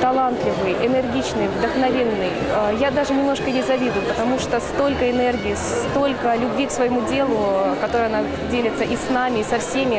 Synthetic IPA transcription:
t̪ɐlˠant̪lʲɪvɨjʔɪnɨrɡʲit͡ɕnɨjvd̪əxnɐvʲe̞nːɨj | əjad̪aʐɨnʲɪmnoʂkəjʲɪzɐvʲid̪ʊjʊpət̪ɐmuʂt̪ost̪o̞lʲkəɪnerɡʲɪis | t̪o̞lʲkəlʲʊbvʲiksvəjɪmudʲe̞lˠʊkɐt̪o̞ɾəjɐna | dʲelʲɪt̪səʔisnamʲɪisɐfsʲemʲɪ

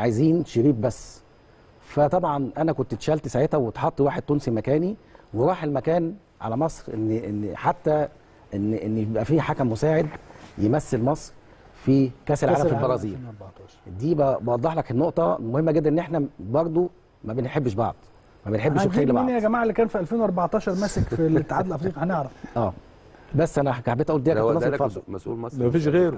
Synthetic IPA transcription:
ʕajziːnʃeɾiːbbæsː | fæt̪ˤɑbʕɑnʔænækont̪t̪ʃælt̪saʕet̪hæwet̪ħɑt̪ˤːiwaːħed̪̚t̪uːnsimækæːniweɾˤɑːħelmækæːn | ʕa̰læmɑsˤɾʔenːʔenːħat̪ːæ | ʔenːʔenːjebʔæfiːħakæmːosaːʕed̪jemæsːelmɑsˤɾ | fikæselʕaːlæfibɑɾˤɑziːɾbɑʕt̪ɑʃɾd̪iːbæbɑwɑd̪ˤːɑħlækhenːoʔt̪ˤɑmohemːæɡed̪ːænʔenːʔeħnæbɑɾˤd̪ˤo | mæbenħebːʃbɑ̰ʕd̪̥ˤ | mæbenħebːʃeːlːbnjæɡæmaːʕelːikæːnfiʔælfeːnwɑɾˤbɑʕt̪ˤɑːʃɑɾˤmæsekfilet̪ːeħaːd̪elʔɑfɾiːqɑhæneʕɾɑfʔæː | bæsːʔænækħabet̪ʔuːld̪iːæænmɑdfɑdmsumæfiːʃɣeːɾo

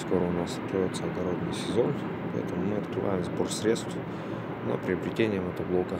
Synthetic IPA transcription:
sko̞ɾəʊnast̪t̪ːɾoɪt̪səɐɡɐɾo̞d̪nɨjsʲɪzo̞n | pɐɛ̰t̪əmʊmɨɐt̪kɾɨva̰jɪmzbo̞rsɾʲe̞t̪st̪f | nə̰pɾʲɪɐbɾʲɪtʲenʲɪjəmət̪əblˠo̞kə

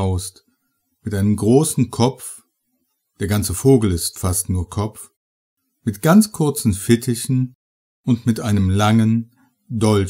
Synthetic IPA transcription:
ʊst | mɪtʔaɪnəmɡʁoːsn̩kʰɔp͡f | d̥eːɐɡant͡səfoːɡl̩ɪstfastnuːɐkʰɔp͡f | mɪtɡ̥ant͡skʰʊɐt͡sn̩fɪtʰɪçn̩ | ʔʊntmɪtʔaɪnəmlaŋən | dɔl

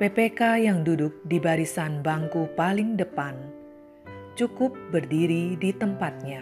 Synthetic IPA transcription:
pepekajaŋdudʊk̚dibaɾisanbaŋkʊhpalɪŋdəpan | t͡ʃukʊp̚bərdiɾidit̪əmpat̪̚ɲa

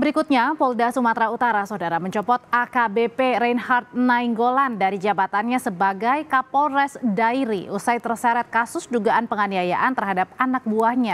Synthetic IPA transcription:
bəɾikut̪̚ɲapɔldasumat̪ɾaut̪aɾasɔwdaɾaməɲt͡ʃɔpɔt̪akabepeɾainhart̪̚naiŋɡolandaɾid͡ʒabat̪anɲasəbaɡajkapɔlrɛsdajɾiʔusajt̪ərsaɾɛt̪̚kasʊsduɡaʔanpəŋaniaja̰ʔant̪ərɦadap̚anak̚buahɲa

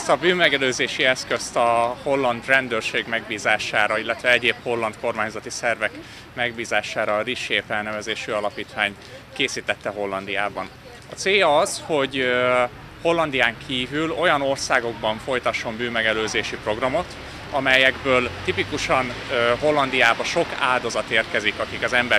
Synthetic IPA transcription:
st̪ɒbyːnmɛɡɛløːzeːʃiɛskø̞st̪ɒho̞lːɒnd̪rɛnd̪ørʃeːɡmɛɡbiːzaːʃaːɾɒilːɛt̪ʋɛɛɟeːpho̞lːɒnt̪ko̞rmaːɲzɒt̪isɛrvɛk | mɛɡbiːzaːʃaːɾɒriʃeːfɛlnɛvɛzeːʃyɒlɒpiːt̪ʋaːɲt̪ | keːsiːt̪ɛt̪ːɛɦo̞lːɒnd̪ijaːbɒn | ɒt̪seːjɒɒzho̞ɟ | ho̞lːɒnd̪ijaːŋkʰiːvylo̞jɒno̞rsaːɡo̞ɡbɒɱfo̞jt̪ɒʃːo̞mbyːmːɛɡɛløːzeːʃipro̞ɡrɒmo̞t̪ | ɒmɛjɛɡbøːlt̪ipikuʃɒnɦo̞lːɒnd̪ijaːbɒʃo̞ka̰ːld̪ɒzɒt̪eːrkɛzikɒkikɒzɛmbɛ

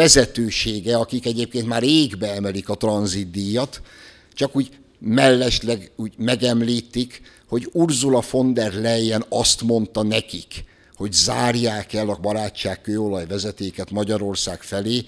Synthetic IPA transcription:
ɛzɛt̪øːʃeːɡɛɒkikɛɟeːp̚keːnt̪maːreːɡbɛɛmɛlikɒt̪rɒnzid̪ijɒt̪ | t͡ʃɒkuːɟ | mɛlːɛʃlɛɡuːɟmɛɡɛmliːt̪ik | ho̞ɟurzulɒfo̞nd̪ɛrlɛjːɛnɒst̪mo̞nt̪ɒnɛkik | ho̞ɟzaːrjaːkɛlːɒbɒɾaːt͡ʃːaːkːøːo̞lɒjvɛzɛt̪eːkɛt̪mɒɟɒɾo̞rsaːkfɛleː

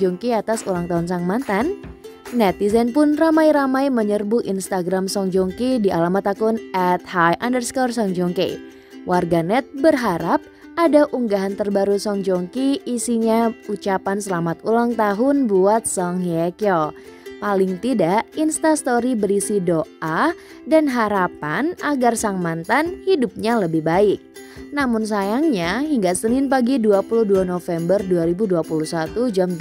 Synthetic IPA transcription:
d͡ʒɔŋkiat̪asulaŋt̪aɦʊns̬aŋmant̪anː | ɛt̪̚izɛnpʊnramajɾamajməɲərbuʔinst̪aɡɾamsɔŋd͡ʒɔŋkidiʔalamat̪akʊnɛt̪̚hajʔandərskɔrsɔŋd͡ʒɔŋkḛ | wʔarɡanɛt̪̚bərɦaɾap̚ | adaʔuŋɡaɦant̪ərbaɾusɔŋd͡ʒɔŋkiːsiɲaut͡ʃapansəlamat̪̚ulaŋt̪aɦʊnbuat̪̚sɔŋɦiakɔl | palɪŋt̪idaʔinst̪ast̪oɾibəɾisidoʔa | danɦaɾapanaɡarsaŋmant̪anhidup̚ɲaləbɪhbaɪk̚ | namʊns̬ajaŋɲaɦiŋɡasənɪnpaɡiduapuluhduanofɛmbərduaɾibuduapuluhsat̪ud͡ʒam

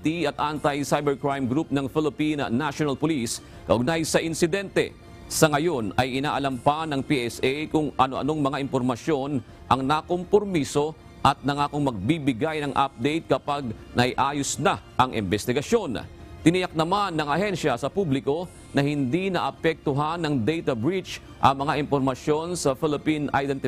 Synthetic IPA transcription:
t̪iɐt̪̚ʔant̪ɐjsajbɛɹkɹajmɡɾup̚nɐŋfɪlɪpinɐ̰naʃonɐlpolis | kɐʔʊɡ̚najsɐʔɪnsɪd̪ɛnt̪ɛ̰ | sɐŋɐjo̞nɐjʔɪna̰ːʔɐlɐmpanɐŋpiʔɛsʔɛjkʊŋʔɐnoʔɐ̰no̞ŋmɐŋaʔɪmpo̞ɾmɐʃjo̞n | ʔɐŋnɐko̞mpoɾmiso̞ | ʔɐt̪̚nɐŋaːkoŋmɐɡ̚bibɪɡajnɐŋʔa̰p̚d̪ɛjt̪̚kɐpaɡ̚nɐɪʔaːjosnaʔɐŋɪ̰mbɛst̪ɪɡɐʃjo̞nt̪ɪnɪjɐk̚nɐmanːɐŋɐhɛnʃɐsɐpublɪko̞ | nɐhɪnd̪inɐʔɐpɛk̚t̪oɦanɐŋd̪ɛjt̪ɐbɹit͡ʃ | ʔɐŋmɐŋaʔɪmpoɾmɐʃjo̞nsɐfɪlɪpinʔajd̪ɛnt̪ɪ

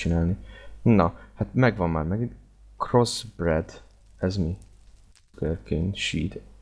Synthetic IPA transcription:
t͡ʃinaːlninɒhat̪mɛɡvɒmːaːrmɛɡin | krozbrɛd̪ | ɛzmi | ɡørkinʃiːt̪

